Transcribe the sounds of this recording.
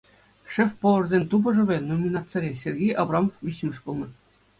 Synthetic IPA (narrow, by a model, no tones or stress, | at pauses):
ʂefʲpoʋɤ̆rzʲenʲt̪ubɤ̆ʐɤ̆ʋʲenomʲinɑt̪t͡sɤ̆ɾʲesʲerʲɡʲejʔɑbrɑmofʋʲiɕmʲɘ̆ʂpulˠnɤ̆